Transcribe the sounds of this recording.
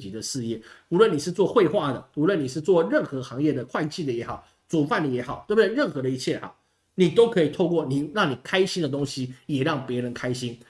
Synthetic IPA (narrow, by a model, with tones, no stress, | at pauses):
t͡ɕi˧˥d̪ə˨ʂɻ̩˥˧jɛ˥˩u˧˥lwə˨ni˨˩ʂɻ̩˥˧t͡swɔ˥˧xwe˥˧ɪxwa˥˩d̪ə˩u˧˥lwə˥˨˩ni˨˩ʂɻ̩˥˧t͡swɔ˥˨ɻə˥˩nxɤ˧˥xɑ˧˥ŋjɛ˥˩d̪ə˩kʰwa˥˧ɪt͡ɕʰi˥˩d̪ə˩jɛ˧˥xɑ˨˩˦ʊ | t͡su˨˩fa˥˩nd̪ə˩jɛ˧˥xɑ˨˩˦ʊt̪we˥˩bde˥˧˩ɻə˥˩nxɤ˧˥d̪ə˧i˧t͡ɕʰjɛ˥˩a̰˨˩ | ni˨˩t̪o˥ʊkʰɤ˧˥i˨˩t̪ʰo˥˧ʊkwɔ˥˩ni˨˩ɻɑ˥˩ŋni˨˩kʰa˥ɪɕi˥nd̪ə˨t̪ʊ˥ŋɕi˨jɛ˨˩ɻɑ˥˩ŋpjɛ˧˥ɻə˧˥nkʰa˥ɪɕi˥n